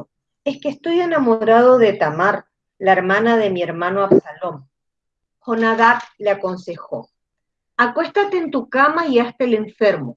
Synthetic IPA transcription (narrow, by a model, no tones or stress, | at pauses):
eskest̪o̞je̞namoɾaðoðe̞t̪amaɾ | laeɾmanaðe̞mie̞ɾmanoaβsalom | xonaðakleako̞nsexo̰ | akwe̞st̪at̪eːnt̪ukamaiast̪ele̞ɱfeɾmo